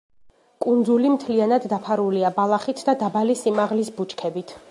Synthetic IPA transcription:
kʼund̪zulimt̪ʰlianad̪ːapʰaɾuliabalˠaχit̪ʰd̪ad̪abalisimaʁlisbut͡ʃʼkʰɛbit̪ʰ

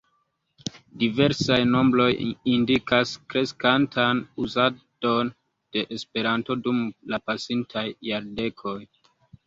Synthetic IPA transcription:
dive̞ɾsajno̞mblo̞jindikaskɾe̞skantʰanuzad̥o̞n | d̥e̞ʔespe̞ɾanto̞dumlapasintʰajːaɾde̞kʰo̞j

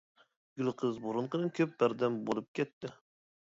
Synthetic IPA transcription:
ɡʲylˠqʰɨzboɾɨɴqɨnɨkʲʰøp̚bæɾd̪ɛmbolˠɨp̚kʲʰɛt̪ːɪ

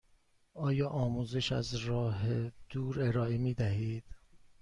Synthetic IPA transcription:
ɒːjɒːʔɒːmuːzeʃæ̰zɾɒːɦed̪̥uːɾe̞ɾɒːe̞miːd̪æhiːd̪̥

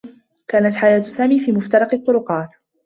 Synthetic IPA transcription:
kaːnat̪ħajaːt̪saːmiːfiːmʊft̪ɑɾˤɑqɨt̪ˤːʊɾʊqɑːt̪

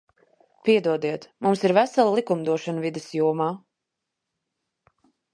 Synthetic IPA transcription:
piɛd̪uɔd̪iɛt̪mumsiɾvæsalˠlˠikumd̪uɔʃanvid̪ɛsjuɔmaː

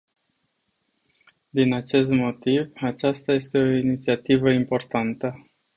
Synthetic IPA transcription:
d̪inat͡ʃe̞st̪mo̞t̪ivat͡ʃast̪aje̞st̪e̞o̞init̪siat̪ivəimpo̞rt̪ant̪ə

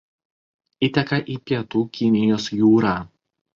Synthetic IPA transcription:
ɪt̪ʲɛkɐʔiːpʲiɛt̪uːkʲɪnʲɪjoːsjuːɾaː

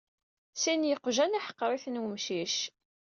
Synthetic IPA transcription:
sinjəqːʒænaħə̥qːɾˤiθənwəmʃiʃ

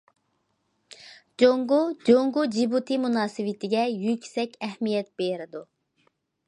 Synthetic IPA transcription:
d͡ʒoŋɡud͡ʒoŋɡud͡ʒibut̪ʰɨmunɑːsɨwɪt̪ʰɪɡʲɛjykʲsɛkʲɛhmijɛt̪̚beɾɪd̪u

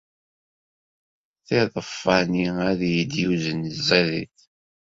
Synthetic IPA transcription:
θɪðˤəfːəniæðjid̪juzənəzæðḭθ

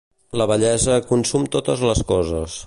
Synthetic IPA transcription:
ləβəʎɛzəkunsumt̪ot̪əzləskɔzə̰s

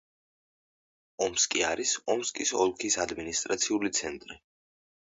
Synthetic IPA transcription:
ɔmskʼiaɾisɔmskʼisɔ̰lˠkʰisad̪minist̪ʼɾat̪sʰiulit̪sʰɛnt̪ʼɾi

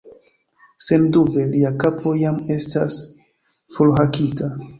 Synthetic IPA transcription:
se̞ndube̞liakapʰo̞jame̞sta̰s | fulɦakita

